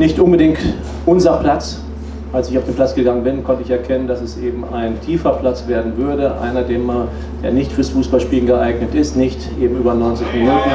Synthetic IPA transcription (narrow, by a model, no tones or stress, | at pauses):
nɪçtʔʊnbədɪŋt | ʔʊnzɐpl̥at͡s | ʔalsɪçaʊfd̥eːnpl̥at͡sɡ̥əɡaŋənbɪnkʰɔntəɪçɛɐkʰɛnəndasɛsʔeːbm̩ʔaɪntʰiːfɐpl̥at͡sv̥eːɐdn̩vʏɐdəʔa̰ɪnɐdeːma | d̥ḛːɐnɪçtfyːɐsfuːsb̥alʃpiːlən̩ɡəʔaɪɡnətɪstnɪçtʔeːbm̩ʔyːbɐnɔʏnt͡sɪçminuːtn̩